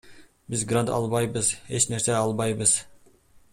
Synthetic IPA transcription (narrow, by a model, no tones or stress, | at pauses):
bizɡrant̪ɑ̰lˠβɑjbɯze̞t͡ʃne̞ɾseɑlˠbɑjbɯz̥